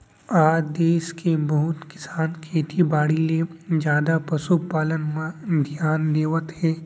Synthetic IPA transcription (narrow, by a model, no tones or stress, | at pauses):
aːd̪eːʃkʰebɐɦʊt̪kɪ̥saːnkʰeːt̪ibaːɽiled͡ʒjaːd̪apɐsupaːlənmãd̪ʱjaːnd̪eːʋət̪ɦɛː